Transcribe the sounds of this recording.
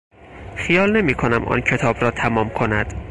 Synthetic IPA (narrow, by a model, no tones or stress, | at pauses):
xijɒːlne̞miːkʰonæmʔɒ̰ːncʰe̞t̪ʰɒːbɾɒːt̪ʰæmɒːmkʰo̞næd̪̥